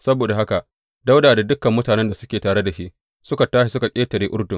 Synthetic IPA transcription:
sɐ˦boː˨da˨ɦa˦ka˨ʔ | da˦wdaː˨da˨dʊ˦kːɐ˨mːʊ˦taː˨nɛ˦nda˨sʊ˦kʲeː˨taː˨ɽe˦da˨ʃi˦ʔ | sʊ˦ka˨taː˦ʃi˨sʊ˦ka˨kʲʼeː˦tɐ˨ɾeː˦ʔʊ˦rdʊ˨ŋ

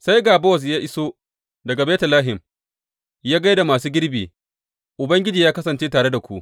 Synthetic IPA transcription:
sa˦jɡaː˨bɔː˦˨s̬jaː˦ʔɪ˦so˦ | dɐ˨ɡa˨beː˦tɐ˨laː˦ɦɪ˨m | jaː˦ɡa˦jda˨maː˨suː˦ɡʲɪ˦ɽbiː˨ | ʔʊ˨bɐ˦ŋɡʲɪ˦d͡ʒiː˨jaː˦kɐ˦sɐ˨nt͡ʃeː˦taː˨ɽe˦da˨kʷu˦ʔ

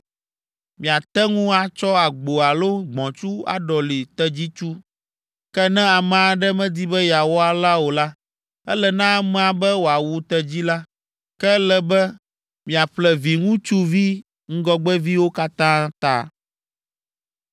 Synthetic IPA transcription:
mĩ˨a˨t̪ɛ˦ŋũ˦a˨t͡ʃɔ˦a˨ɡ͡bo˨a˨lo˦ɡ͡bɔ̃˨t͡ʃu˦a̰˨ɖɔ˨li˨t̪ɛ˦d͡ʑi˦t͡ʃu˦ | kɛ˦nɛ̃˦a˨mɛ̃˨a˨ɖɛ˦mɛ̃˦d̪i˦bɛ˦ja˨wɔ˦a˨la˦wo˨la˦ | ɛ˦lɛ˨nã˦mɛ̃˦a˨bɛ˦wo˨a˨wu˨t̪ɛ˦d͡ʑi˦la˦ | kɛ˦lɛ˦bɛ˦ | mĩ˨a˨ɸlɛ˨vi˨ŋũ˦t͡ʃu˦vi˦ | ŋ̩˦ɡɔ˦ɡ͡bɛ˦vi˦wo˦ka˦t̪ã˦t̪a̰˨

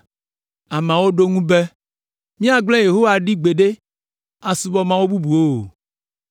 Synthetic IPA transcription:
a˨mã˨wo˦ɖo˦ŋũ˦be˦ | mĩ˦a˨ɡ͡blɛ˦je˨ɦo˦wa˨ɖi˦ɡ͡be˨ɖe˦ | a˨su˦bɔ˦mã˦wo˦bu˦bu˨o˦

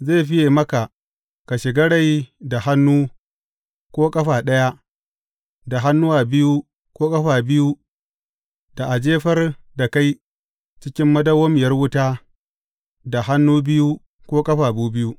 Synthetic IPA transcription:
ze˦˨ɸɪ˦je˨mɐ˦ka˨ | ka˨ʃɪ˨ɡɐ˦ɽa˦jda˨ha˦nːuː˦ | kʷoː˦kʼɐ˦ɸaː˨ɗɐ˦ja˦ | da˨ɦa˦nːʊ˦waː˨bɪ˦ju˦ | kʷoː˦kʼɐ˦ɸaː˨bɪ˦ju˦ | d̥a˨ʔa˨d͡ʒeː˦ɸɐ˦rda˨ka˦j | t͡ʃɪ˦kʲɪ˦mːɐ˦dɐ˦wɐ˦m˨jɐ˦rwʊ˦taː˦ | da˨ɦa˦nːuː˦bɪ˦ju˦ | kʷoː˦kʼɐ˦ɸaː˨buː˦bɪ˦ju˦ʔ

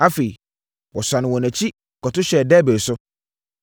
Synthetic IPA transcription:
a˦fe˨i˨ | wɔ˨sa˨nɪ̃˨wɔ̃˨nɛ̃˨t͡ɕʰi˦ | kɔ˨tʊ˦ɕɛ˨dɛː˦be˨sʊ˦

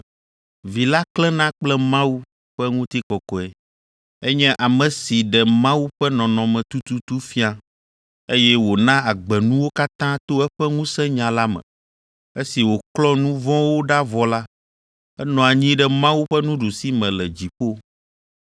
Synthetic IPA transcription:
vi˨la˦klɛ˦nã˦k͡plɛ˦mã˦wu˦ | ɸɛ˦ŋũ˦t̪i˦kɔ˨kɔ˨ɛ˨ | e˦ɲɛ̃˦ʔa˨mɛ̃˨si˨ɖɛ˨mã˦wu˦ɸɛ˦nɔ̃˨nɔ̃˨mɛ̃˨t̪u˦t̪u˦t̪u˦fi˦a˦ | e˦jɛ˦wo˨nã˦a˨ɡ͡bɛ˨nũ˦wo˦ka˦t̪ã˦t̪o˦ɛ˦ɸɛ˦ŋũ˦sɛ̃˦ɲã˨la˦mɛ̰̃˨ | e˦si˨wo˨klɔ˦nũ˦vɔ̃˦wo˦ɖa˦vɔ˨la˦ | ɛ˦nɔ̃˨a˨ɲĩ˦ɖɛ˦mã˦wu˦ɸɛ˦nũ˦ɖu˨si˦mɛ̃˨lɛ˨d͡ʑi˨ɸo˦

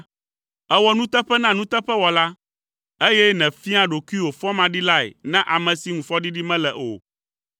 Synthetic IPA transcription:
ɛ˦wɔ˨nũ˦t̪ɛ˦ɸɛ˦nã˦nũ˦t̪ɛ˦ɸɛ˦wɔ˨la˦ | e˦jɛ˦nɛ̃˨fi˦a˦ɖo˨ku˦i˦wo˨fɔ˦mã˨ɖi˦la˦ḛ˨nã˦ʔa˨mɛ̃˨si˨ŋũ˨fɔ˦ɖi˦ɖi˦mɛ̃˦lɛ˨ʔo̰˨

